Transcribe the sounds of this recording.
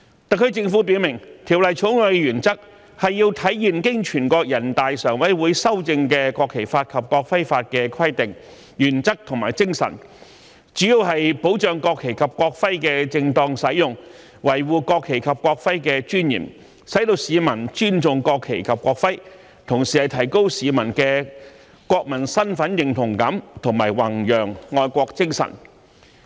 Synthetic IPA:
t̪ɐ˨kʰːɵ˧ɥt͡sɪ˧ŋfu˨˥p̬i˨˥wmɪ˨˩ŋt̪ʰi˨˩wlɐ˨jt͡ʃʰʊ˨˥wŋlœ˨˧jjyː˨˩nt͡sɐ˥k̚ | hɐ˨jːiː˧wt̪ʰɐ˨˥jji˨˩nkɪ˥ŋt͡ʃʰyː˨˩nkɔː˧k̚jɐ˨˩nt̪aː˨jsœː˨˩ŋwɐ˨˥jwuː˨˧jsɐ˥wt͡sɪ˧ŋkɛː˧kɔː˧kʰːe˨˩jfaː˧t̚kʰɐ˨p̚kɔː˧k̚fɐ˥jfaː˧t̚kɛː˧kʰɐ˥jt̪ɪ˨ŋ | jyː˨˩nt͡sɐ˥k̚t̪ʰʊ˨ŋmaː˨˩jt͡sɪ˥ŋsɐ̰˨˩n | t͡ʃyː˨˥jiː˧wɦɐ˨jpo˨˥wt͡ʃœː˨ŋkɔː˧kʰːe˨˩jkʰɐ˨p̚kʷɔː˧k̚fɐ˥jkɛː˧t͡sɪ˧ŋt̪ɔː˧ŋsɐ˨˥jjʊ˨ŋ | wɐ˨˩jwuː˨kɔː˧kʰːe˨˩jkʰɐ˨p̚kʷɔː˧k̚fɐ˥jkɛː˧t͡ʃyː˥njḭː˨˩m | sɐ˨˥jt̪o˧wsiː˨˧mɐ˨˩nt͡ʃyː˥nt͡sʊ˨ŋkɔː˧kʰːe˨˩jkʰɐ˨p̚kʷɔː˧k̚fɐ˥j | t̪ʰʊ˨˩ŋsiː˨hɐ˨jt̪ʰɐ˨˩jko˥wsiː˨˧mɐ˨˩nkɛː˧ | kʷɔː˧k̚mɐ˨˩nsɐ˥nfɐ˨˥njɪ˨˩ŋt̪ʰʊ˨˩ŋkɐ˨˥mt̪ʰʊ˨˩ŋmaː˨˩jwɐ˨˩ŋjœː˨˩ŋːɔː˧jkʷɔː˧k̚t͡sɪ˥ŋsɐ̰˨˩n

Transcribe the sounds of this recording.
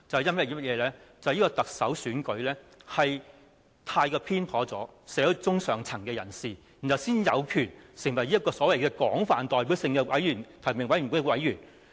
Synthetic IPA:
t͡sɐ˨hɛ˨˩jɐ˥nmɐ˥˩i˥mɐ˥t̚jɛː˨˧lɛː˥t͡sɐ˨hji˥kɔː˧t̪ɐ˨k̚sɐ˨˥wsyː˨˥nkɵ˨˥ɥlɛː˥hɐ˨j | t̪ʰaː˧jkɔː˧pʰiː˥npʰɔː˨˥t͡sɔ̰ː˨˥sɛː˨˥ɔ˨˧˩t͡sʊ˥ŋsœː˨˩ŋt͡sʰɐ˨˩ŋkɛː˧jɐ˨˩nsiː˨ | i˨˩t͡sɐ˨wsiː˥njɐ˨˧wkʰyː˨˩nsɪ˨˩ŋwɐ˨˩jiː˥ɐ˥t̚kɔː˧sɔː˨˥wɐ˨jkɛː˧kɔ̰ː˨˥ŋfaː˨nt̪ɔː˨˩jp̬i˨˥wsɪ˧ŋkɛ˧wɐ˨˥jɥyː˨˩nt̪ʰɐ˨˩mɪ˨˩ŋwɐ˨˥jɥy˨˩kːwɐ˨˥jyː˨˩n

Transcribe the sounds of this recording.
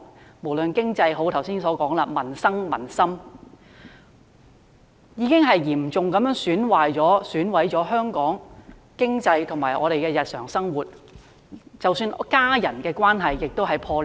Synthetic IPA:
mo˨˩wlɵ˨nkɪ˥ŋt͡sɐ˧jɦo˨˥wt̪ʰɐ˨˩wsiː˥nsɔː˨˥kɔː˨˥ŋlɐ˧mɐ˨˩nsɐ˥ŋmɐ˨˩nsɐ˥m | jiː˨˧kɪ˥ŋɦɐ˨jjiː˨˩mt͡sʊ˨ŋkɐ˨˥mjœː˥ŋsyː˨˥nwaː˨jt͡sɔː˨˥syː˨˥nwɐ˨˥jt͡sɔː˨˥ɦœː˥ŋkɔː˨˥ŋ | kɪ˥ŋt͡sɐ˧jt̪ʰʊ˨˩ŋmaː˨˩jʔɔː˨˧ɾe˨jkɛː˧jɐ˨t̚sœː˨˩ŋsɐ˥ŋwuː˨t̚ | t͡sɐ˨wsyː˧nkaː˥jɐ˨˩nkɛː˧kʷwaː˥nɦɐ˨jːɪ˨k̚t̪o˥wɦɐ˨jpʰɔː˧

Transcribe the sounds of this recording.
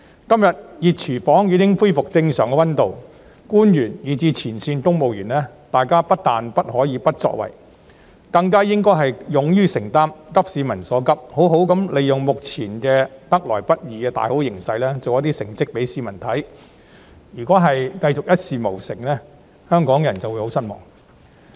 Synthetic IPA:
kɐ˥mjɐ˨t̚jiː˨t̚t͡ʃʰiː˨˩fɔː˨˥ŋjiː˨˥tɪ˥ŋfuː˥jfʊ˨k̚t͡sɪ˧ŋsœː˨˩ŋkɛ˧wɐ˥nt̪o˨w | kuː˥njyː˨˩njiː˨˩t͡siː˧t͡sʰiː˨˩nsiː˧nkʊ˥ŋmo˨wjyː˨˩nlɛː˥t̪aː˨jkaː˥pɐ˥t̚t̪aː˨npɐ˥t̚hɔː˨˥jiː˨˧pɐ˥t̚t͡sɔ̰˧˥k̚wɐ̰˨˩j | kɐ˧ŋkaː˥jɪ˥ŋkɔː˥jɦɐ˨jjʊ˨˧ŋjyː˥sɪ˨˩ŋt̪aː˥mkɐ˥p̚siː˨˧mɐ˨˩nsɔː˨˥kɐ˥p̚ho˨˥wɦo˨˥wkɐ˨˥mle˨˧jjʊ˨ŋmʊ˨k̚t͡sʰiː˨˩nkɛː˧t̪ɐ˥k̚lɔ̰ː˨˩jpɐ˥t̚jiː˨kɛː˧t̪a̰ː˨jho˨˥wjɪ˨˩ŋsɐ˧jlɛː˥t͡so˨wjɐ˨˥t̪iː˥sɪ˨˩ŋt͡sɪ˥k̚pe˨˥jsiː˨˧mɐ˨˩nt̪ʰɐ˨˥j | jyː˨˩kʷɔː˨˥ɦɐ˨jkɐ˧jt͡sʊ˨k̚jɐ˥t̚siː˨mo˨˩wsɪ̰˨˩ŋlɛː˥ | hœː˥ŋkɔː˨˥ŋjɐ˨˩nt͡sɐ˨wu˨˧jho˨˥wsɐ˥n̚mɔ̰ː˨˩ŋ

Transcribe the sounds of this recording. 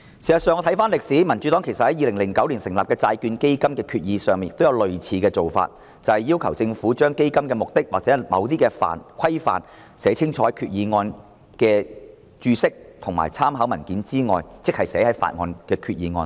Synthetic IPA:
si˨˩sɐ˨tsœː˨ŋɔː˧t̪ʰɐ˨˥jfaː˥nlɪ˨k̚siː˨˥mɐ˨˩nt͡ʃy˨˥t̪ɔː˨˥kʰjsɐ˨t̚hɐ˨˦jiː˨˧lɪ˨˩ŋlɪ˨˩ŋkɐ˨˥wli˨nsɪ˨˩ŋlaː˨p̚kɛː˧t͡saː˧jkyː˧nke˥jkɐ˥mkɛː˧kʰyː˧t̚jiː˨˧sœː˨ŋmi˨njɪk̚t̪wjɐ˨˧wlɵ˨ɥt͡sʰiː˨˧kɛː˧t͡so˨wfa̰ː˧t̚ | t͡sɐ˨whɐ˨jiː˥wkʰɐ˨˩wt͡sɪ˧ŋfuː˨˥t͡ʃœː˥ŋke˥jkɐ˥mkɛː˧mʊ˨k̚t̪ɪ˥k̚waː˨k̚t͡sɛ˨˥mɐ̰˨˧wt̪iː˥kɛː˧fa̰ː˨nkʷʰɐ˥jfa̰ː˨n | sɛː˨˥t͡sʰɪ˥ŋt͡ʃʰɔː˧˥ɐ˨jkʰyː˧t̚jiː˨˧ŋɔː˧n | kɛː˧ | t͡ʃyː˧sɪ˥k̚t̪ʰʊ˨˩ŋma̰ː˨˩jt͡sʰaː˥mɦaː˨˥wmɐ˨˩nkiː˨˥nt͡siː˥ŋɔ̰ː˨jt͡sɪ˥k̚hɐ˨jsɛː˨˧˥hɐ˨˥jfa̰ː˨t̚ŋɔ̰ː˧nkɛː˧kʰyː˧t̚jiː˨˧ŋɔ̰ː˧n

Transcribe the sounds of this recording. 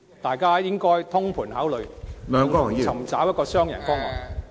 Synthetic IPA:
t̪aː˨jkaː˥jɪ˥ŋkɔː˥jt̪ʰʊ˥ŋpʰuː˨˩nɦaː˨˥wlɵ˨˧ɥlœː˨˧ŋkɔː˥˨˩jiː˥t͡sʰɐ˨˩mt͡saː˨˥wjɐ˥kɔː˧sœː˥ŋjɐ̰˨˩nfɔː˥ŋmɔ̰˨˩

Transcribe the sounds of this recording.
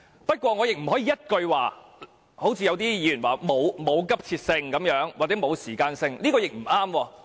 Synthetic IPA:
pɐ˥t̚kʷwɔː˧ŋɔː˨˧jɪ˨k̚m̩˨˩hɔː˨˥iː˨˧˥jɐ˥t̚kɵ˧ɥwaː˨˩ | ho˨˥wt͡sʰiː˧jɐ˨˧wt̪iː˥jiː˨˧˩y˨˩nwaː˨˩mo˨˧wmo˨˧wkɐ˥p̚t͡sʰiː˧t̚sɪ˧ŋkɐ˨˧˥mjœː˨˥ŋwaː˨˩t͡sɛ˨˥mo˨˧wsiː˨˩kaː˧nsɪ˧ŋliː˥kɔː˧jɪ˨k̚m̩˨˩aː˥mwɔː˧

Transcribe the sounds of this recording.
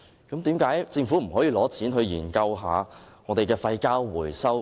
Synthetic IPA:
kɐ˨˥mt̪iː˨˥mkaː˨˥jt͡sɪ˧ŋfu˨˥m̩˨˩ɦɔː˨˥jiː˨˧lɔː˨˥t͡sʰiː˨˥nɦɵ˧ɥjḭː˨˩nkɐ˧wɦa̰ː˨˧ | ŋɔː˨˧t̪e˨jkɛː˧fɐ˧jkaː˥wːuː˨˩jsɐ˥w

